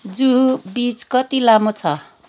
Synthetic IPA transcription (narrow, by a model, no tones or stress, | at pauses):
d͡zubit͡skʌt̪ilamot͡sʰʌ